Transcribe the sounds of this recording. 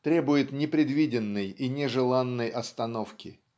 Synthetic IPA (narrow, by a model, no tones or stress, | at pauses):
t̪ɾʲebʊjɪt̪nʲɪpɾʲɪd̪vʲidʲɪnːɨjinʲɪʐɨlˠanːəjʔɐst̪ɐnofkʲɪ